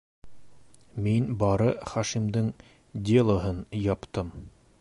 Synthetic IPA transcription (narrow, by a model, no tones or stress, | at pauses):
minbɑɾɤχɑʃimd̪ɘŋ | d̪ʲelˠoɦɤnjɑpt̪ɤm